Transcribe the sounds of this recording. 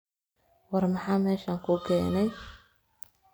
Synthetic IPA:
wɑrmɑħɑːmɛːʃaːŋkʰʊkʰɛːnɛj

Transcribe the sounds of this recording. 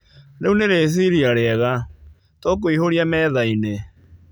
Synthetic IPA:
ɾeuneɾes̬iɾiaɾeɛɣa | tɔk̬oihoɾiamɛːðaine

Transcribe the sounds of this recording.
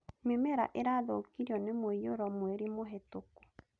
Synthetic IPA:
memɛɾa̰ʔeɾaðookiɾiɔnemweijoɾɔmweɾimoɦɛtoko̥

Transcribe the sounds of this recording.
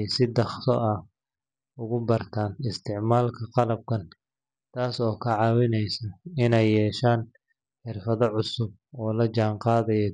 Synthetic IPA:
jsɪd̪ɑχt̪ʰɔʔɐ | ʊɣʊbɐrt̪ʰaːnɪst̪ʰɪʕmaːlkʰɐqɑlɐb̚kʰɐn | t̪ʰaːsɔːkʰɐʕɑwɪnɛjsɐɪnɛjːɛːʃaːn | ħɪrfɐðɔʕʊsʊb̚ɔːlɐt͡ʃaːɴqɑːðɐjɔ

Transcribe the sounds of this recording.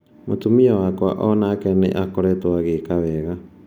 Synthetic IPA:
motumiawakwa̰ʔɔnakɛnḛʔakoɾɛtwaɣekawɛɣa

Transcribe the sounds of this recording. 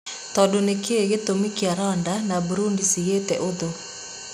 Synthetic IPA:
tɔdonekeeɣetomikiaɾɔndanabuɾundisiɣetɛʔoðo

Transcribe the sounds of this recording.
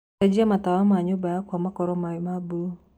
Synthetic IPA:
ad͡ʒiamat̪awamaɲʊbaakwamakɔɾɔmamabu

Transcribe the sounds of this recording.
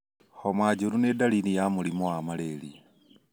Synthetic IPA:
homwaːd͡ʒuɾunedalinijamulimowamaleli

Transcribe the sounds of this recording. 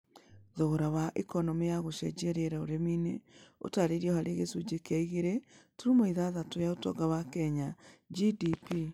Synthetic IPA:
ðoɣoɾawaʔekɔnɔmejaɣoʃɛ̰d͡ʒɛɾeɾaoɾemineo̰taɾeɾiɔɦaɾeɣesud͡ʑekeaiɣeɾetuɾumoiðaðatojaotɔ̰ɡawakɛɲad͡ʒidipi

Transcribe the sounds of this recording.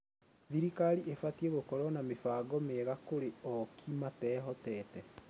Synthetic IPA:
ðiɾikaɾiʔefatieɣokɔɾwɔnamefaːɡɔmeɣakoɾeɔkʰimatɛːɦɔtɛtɛ

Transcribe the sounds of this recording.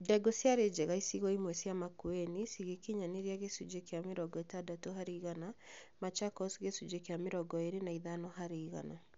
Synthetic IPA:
dɛɡɔsjaɾed͡ʒɛɣaisiɣɔimwɛsiamakuenisiɣekiɲaneɾiaɣesud͡ʒekeameɾɔɡɔetadatoɦaɾiɣana | mat͡ʃakɔsɣesud͡ʒekeameɾɔɡɔeɾenaiðanɔɦaɾiːɣa̰na

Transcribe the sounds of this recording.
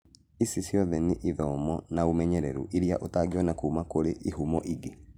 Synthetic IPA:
isisjɔðɛneʔiðɔmɔnaomɛɲɛɾɛɾṵʔiɾija̰ʔotaɡiwɔnakuːmakoɾeʔiɦumɔʔiɡe

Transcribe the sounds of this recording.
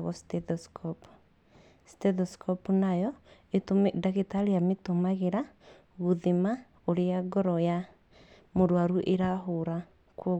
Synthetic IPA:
ɣɔstɛtɔskʰɔp | stɛtɔskʰɔpnajɔ | etomdaɣetaɾiametomaɣeɾa | ɣoðima | oɾeaɡɔɾɔja | moɾwaɾuʔeɾaɦoɾa | kɔ

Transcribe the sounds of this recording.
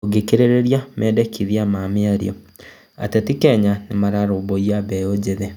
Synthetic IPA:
oɡekeɾeɾeɾjamɛːdekʰiðiamameaɾḭɔ | a̰tetikɛɲanemaɾaɾoboiaβɛod͡ʑeðɛ

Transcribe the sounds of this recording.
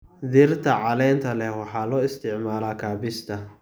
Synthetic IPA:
d̪irt̪ʰɐʕɑlɛːnt̪ʰɐlɛhwɑħɑːlɔːɪst̪ʰɪʕmaːlaːkʰaːbɪst̪ʰɐ

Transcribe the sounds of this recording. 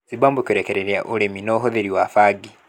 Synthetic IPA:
zibaːmbukoɾekeɾeɾjaʔuɾeminoɦoðeɾiwafaɡi

